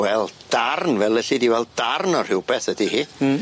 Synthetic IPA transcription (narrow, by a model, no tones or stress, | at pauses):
wɛlˠd̥arnvɛlˠəɬɪdiwɛlˠd̥arnɔr̥hɪwbɛθədihi